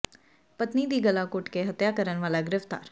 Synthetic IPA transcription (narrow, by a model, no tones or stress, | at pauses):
pət̪niːd̪iːɡəlaːkʊʈkeːɦət̪jaːkəɾənʋaːlaːɡɪɾɪft̪a̰ːɾ